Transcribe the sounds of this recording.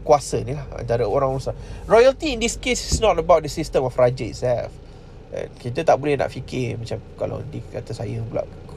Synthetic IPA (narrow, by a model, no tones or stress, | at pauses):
kuasənilahã̰nt̪aɾəoɾãŋusarɔjəlt̪iːndiskesisnɔtəbawt̚dəsist̪əmɔfrad͡ʒəḭtsɛlf | kit̪ət̪aʔbolɛhna̰ʔfikɪmat͡ʃamkala̰dikat̪əsajəblɔ̰k